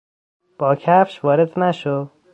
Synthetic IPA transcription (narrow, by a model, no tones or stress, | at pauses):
b̥ɒːcʰæfʃvɒːɾed̪næʃo